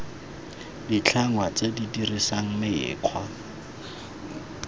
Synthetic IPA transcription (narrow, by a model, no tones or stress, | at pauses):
dit͡ɬʰaŋwat͡sedidirisaŋ̩mɪjɪ̰ːq͡χʰwa